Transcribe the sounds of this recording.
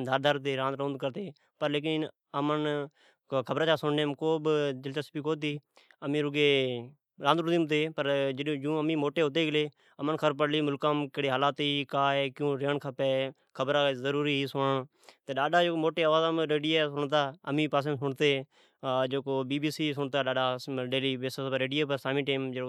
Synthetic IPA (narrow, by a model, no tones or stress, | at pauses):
d̪ʱaːɾd̪aɾt̪eːɾãːnd̪ɾõːnd̪̚kəɾt̪eː | pəɾleːk̬ɪn | əmən | kʰəbɾaːt͡ʃaːsʊɳnẽːmkoːbd͡ʒəlt͡ʃaːspiːkoːt̪iː | əmĩːɾʊɡeː | ɾãːnd̪ɾʊd̪iːmt̪eːpəɾd͡ʒd͡ʒũːəmĩːmoːʈeːɦoːt̪̬eːɡəleː | əmənkʰəɾp̬əɽliːmʊlkãːmkəɽeːɦaːlaːt̪iːkaːeːkjũːɾɪjəːɳkʰəpeː | kʰəbɾaːzəɾuːɾiːiːsʊʋãː | t̪eːɗaːɗaːd͡ʒoːmoːʈeːəʋaːzãːmɾeːɖijeːsʊɳt̪aːəmĩːpaːs̬ẽːmsʊɳt̪eː | d͡ʒoːkoːbiːbiːsiːs̬ʊɳt̪aːɗaːɖaːɖeːliːbeːsəsɾeːɖɪjeːpəɾsaːmĩːʈeːmd͡ʒ